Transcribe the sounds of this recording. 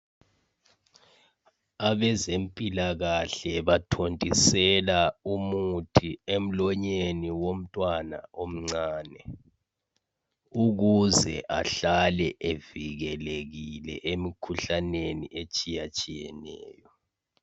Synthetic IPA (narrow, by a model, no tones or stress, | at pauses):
aβɛzempʼilaɣaɬɛβatʰontʼisɛlaumutʰiem̩lɔɲeniwom̩tʼwana̰ʔom̩ŋ͡ǀaːnɛ | uɣuzɛ̰ʔa̰ɬalɛʔeviɣɛleɣilɛ̰ʔemikʰuɬanenḭet͡ʃʼijat͡ʃʼijɛ̰nɛ̰ːjɔ